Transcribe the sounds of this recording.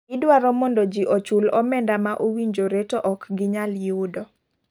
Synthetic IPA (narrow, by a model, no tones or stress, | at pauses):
idwaɾɔmɔndɔd͡ʒiʔɔt͡ʃulɔmɛndamaʔowiɲd͡ʒoɾetoʔɔkɡɪɲaljʊdɔ